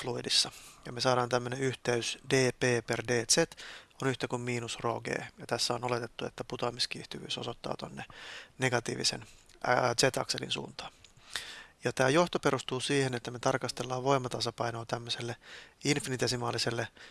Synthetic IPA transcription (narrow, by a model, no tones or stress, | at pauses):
fluidisːɑjɑmesɑːɾɑːnt̪æmːøneyht̪eysdeːpeːperdeːt̪set̪onyht̪ækummiːnusro̰ːɡḛːjɑt̪æsːæonolet̪et̪ːuet̪ːæput̪ɑːmiskḭːht̪yʋy̰ːsosot̪ːɑ̰ːt̪onːeneɡɑt̪ḭːʋḭsḛn | t̪set̪ɑ̰kselḭnsṵːnt̪ɑ̥ː | jɑt̪æːjoht̪opeɾust̪uːsiːhenet̪ːæmet̪ɑrkɑst̪elːɑːʋʋo̞imɑt̪ɑsɑpɑjnoːt̪æmːøselːeinfinit̪esimɑːliselːe